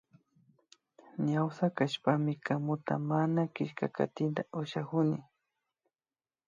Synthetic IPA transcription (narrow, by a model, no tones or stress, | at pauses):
ɲawsakaʃpamɪkamʊt̪a̰manakɪʃkaka̰t̪ɪnt̪aʔʊʃakʊnɪ